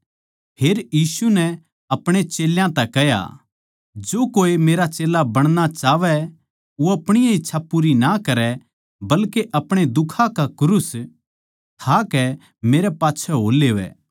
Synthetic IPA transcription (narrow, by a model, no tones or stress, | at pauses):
pʰeːɾjiːsunɛ | ɐpɽ̃et͡ʃeːljãt̪ɛkɛɦja̰ | d͡ʒoːkoːemeːɾat͡ʃeːlabɐɽ̃nat͡ʃaːʋɛ | oɐpɽ̃ɪjãɪtːʃʰapuːɾinakɐɾɛ | bɐlkeʔɐpɽ̃ed̪ʊkʰãkakʊɾʊs | t̪ʰakɛ | meːɾɛpaːtːʃʰɛɦo̰ːleːʋɛ̰ː